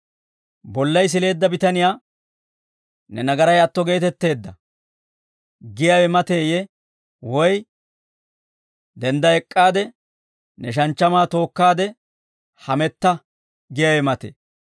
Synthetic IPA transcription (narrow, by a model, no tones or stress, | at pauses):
bɔlːɐjs̬ɪle̞ːd̪ːɐbɪt̪ɐnɪjaː | nɛnɐɡɐɾɐjɐt̪ːɔɡe̞ːt̪ɛt̪ːe̞ːd̪ːɐ | ɡɪjawɛmɐt̪e̞ːjɛ | wɔj | d̪ɛnd̪ɐɛkʼːaːd̪ɛ | nɛʃ̬ɐnt͡ʃːɐmaːt̪o̞ːkːaːd̪ɛ | hɐmɛt̪ːɐ | ɡɪjawɛmɐt̪ḛː